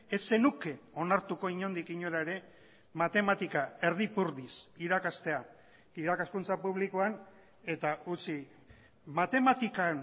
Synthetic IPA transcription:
e̞se̞nuke̞o̞naɾt̪uko̞iɲo̞nd̪ikiɲo̞ɾaeɾe̞ | mat̪e̞mat̪ikae̞ɾðipuɾðisiɾakast̪e̞a | iɾakaskunt͡sapuβ̞liko̞an | e̞t̪aut͡si | mat̪e̞mat̪ikan

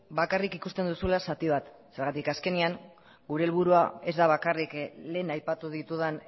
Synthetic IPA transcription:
bakarikikust̪e̞nd̪usulasat̪iβat̪ | se̞ɾɣ̞at̪ikaske̞niaŋ | ɡuɾe̞ːlβuɾuae̞zd̪aβ̞akarikle̞ːnajpat̪uðit̪uð̞en

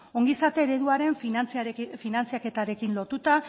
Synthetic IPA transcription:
o̞ŋɡisat̪e̞ːɾe̞ðuaɾe̞ɱft͡sfinant͡siake̞t̪aɾe̞kinlo̞t̪ut̪a

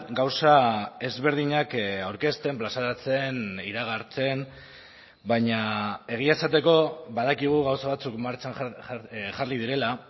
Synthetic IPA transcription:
ɡawsae̞zβe̞ɾðiɲakawɾke̞st̪e̞mplasaɾat͡se̞niɾaɣ̞aɾt͡se̞n | baɲae̞ɣ̞iasat̪e̞ko̞βað̞akiɣ̞uɣawsaβat͡sukmaɾt͡ʃa | ʝarlið̞iɾe̞la

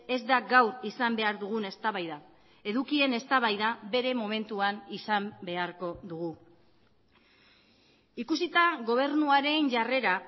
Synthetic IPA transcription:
e̞zd̪aɡawɾisambe̞aɾðuɣ̞une̞st̪aβajða | e̞ðukie̞ne̞st̪aβajðaβe̞ɾe̞mo̞me̞nt̪uanisambe̞aɾko̞ðuɣu | ikusit̪aɣo̞β̞e̞ɾnuaɾe̞nʝare̞ɾa

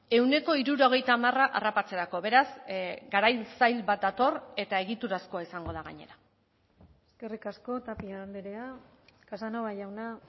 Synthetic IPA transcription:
e̞wne̞ko̞iɾuɾo̞ɣ̞e̞jt̪aːmaraʔa̰rapat͡seɾako̞βe̞ɾasɡaɾajsajlβat̪̚d̪at̪o̞re̞t̪ae̞ɣit̪uɾasko̞aisaŋɡo̞ðaɣa̰ɲe̞̰ɾa | eske̞rikasko̞t̪apiaald̪eɾea | kasanoβajawna

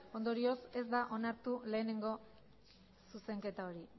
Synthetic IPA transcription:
o̞nd̪o̞ɾio̞se̞zd̪aʔo̞naɾt̪ule̞ːne̞ŋɡo̞ | suse̞ŋke̞t̪ao̞ɾi

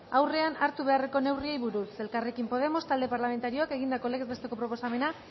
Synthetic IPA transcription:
awre̞anaɾt̪uβ̞e̞are̞ko̞ne̞wrie̞jβuɾuse̞lkare̞kimpo̞ð̞e̞mo̞st̪ald̪e̞paɾlame̞nt̪aɾio̞ake̞ɣind̪ako̞le̞ɣezβe̞st̪e̞ko̞pɾo̞po̞same̞na

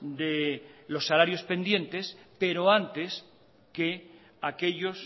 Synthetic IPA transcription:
d̪e̞lo̞sːalaɾjo̞spe̞nd̪jẽ̞nt̪e̞spe̞ɾo̞ant̪e̞s | ke̞ | ake̞ʎo̞s

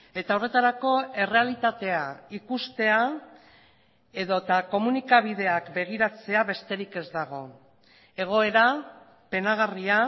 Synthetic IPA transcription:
e̞t̪ao̞re̞t̪aɾako̞e̞re̞alit̪at̪e̞aikust̪e̞a | e̞ðo̞t̪ako̞munikaβ̞iðe̞akbe̞ɣ̞iɾat͡se̞aβe̞st̪e̞ɾike̞zd̪aɣ̞o̞ | e̞ɣ̞o̞e̞ɾa | pe̞naɣ̞aria

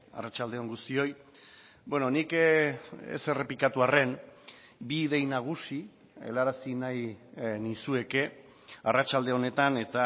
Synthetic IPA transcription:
a̰rat͡ʃald̪e̞oŋɡust̪io̞j | bwe̞no̞nik | ḛse̞re̞pikat̪uare̞n | bið̞e̞jnaɣ̞usi | e̞̰laɾasinajnisue̞ke̞ | arat͡ʃald̪e̞o̞ne̞t̪ane̞t̪a

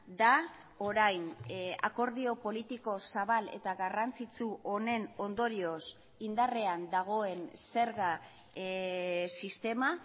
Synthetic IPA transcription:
d̪a | o̞ɾajna̰ko̞ɾð̞io̞po̞lit̪iko̞saβale̞̰t̪aɣarant͡sit͡suʔone̞no̞nd̪o̞ɾio̞s | ind̪are̞and̪aɣ̞o̞e̞nse̞ɾɣa | sist̪e̞ma

